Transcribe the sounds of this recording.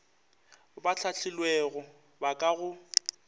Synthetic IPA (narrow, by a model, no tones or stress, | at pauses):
bat͡ɬʰat͡ɬʰɪlweɣʊ | bakʼaɣʊ